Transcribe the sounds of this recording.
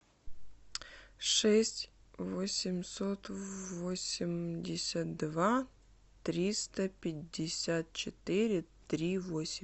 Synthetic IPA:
ʂɛsʲtʲ | vosʲɪmʲsot̪vosʲɪmdʲɪsʲət̪̚d̪va | t̪ɾʲist̪əpʲɪdʲːɪsʲat̪̚t͡ɕɪt̪ɪɾʲɪt̪ɾʲivosʲɪ

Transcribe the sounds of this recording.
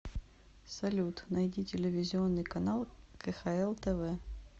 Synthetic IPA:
sɐlʲut̪nɐjdʲitʲɪlʲɪvʲɪzʲɪo̞nːɨjkɐnalˠkəxɐɛlˠt̪ɛvɛ

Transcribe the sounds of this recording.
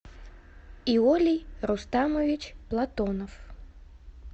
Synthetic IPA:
iɔlʲijɾust̪amɔvʲit͡ɕplˠat̪ɔnɔf

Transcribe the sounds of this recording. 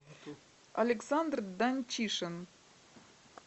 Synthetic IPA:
ɐ̰lʲeksand̪rd̪anʲt͡ɕiʂən

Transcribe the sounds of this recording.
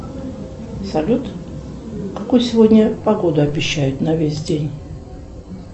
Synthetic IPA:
sɐlʲut̪ | kɐkojsʲɪvo̞dʲnʲəpɐɡo̞d̪ʊɐbʲɪɕːæjʊt̪nɐvʲesʲdʲenʲ

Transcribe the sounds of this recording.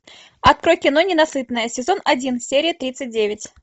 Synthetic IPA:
ɐt̪̚kɾo̞jkʲɪno̞nʲɪnɐsɨt̪nəjəsʲɪzo̞nɐdʲinsʲeɾʲɪjət̪ɾʲit̪sɨt̚ʲdʲevʲɪtʲ

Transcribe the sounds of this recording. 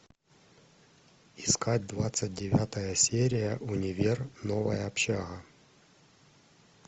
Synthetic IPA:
ɪskad̚ʲd̪vat̪sɨt̚ʲdʲɪvʲat̪əjəsʲeɾʲɪjəʔʊnʲɪvʲernovə̰jəːpɕaɣɐ

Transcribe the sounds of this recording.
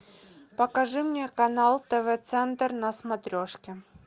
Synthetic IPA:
pəkɐʐɨmnʲekɐnalˠt̪ɛvɛt̪sɛnt̪ərnɐsmɐt̪ɾʲoʂkʲɪ

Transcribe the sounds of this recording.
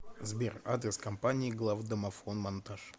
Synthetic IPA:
zbʲera̰d̪ɾʲɪskɐmpanʲɪːɡlˠavd̪əmɐfonmɐnt̪aʂ

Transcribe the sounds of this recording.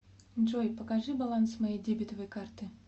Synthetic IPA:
nʐojpəkaʐɨbalˠansmajejdʲebʲɪt̪əvəjkart̪ɨ

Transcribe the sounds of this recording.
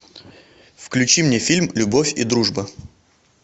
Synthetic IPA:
fklʲʉt͡ɕimnʲefʲilʲmlʲʊbofʲḭd̪ɾuʐbə

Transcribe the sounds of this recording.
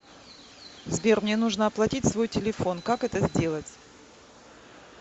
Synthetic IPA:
zʲbʲermnʲe̞nuʐnəɐplˠɐtʲitʲsvo̞jtʲɪlʲɪfo̞nkakɛt̪əzʲdʲe̞lˠətʲ

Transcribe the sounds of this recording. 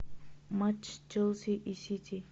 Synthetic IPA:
mat͡ʃd͡ʒəlsiʔisitʰi

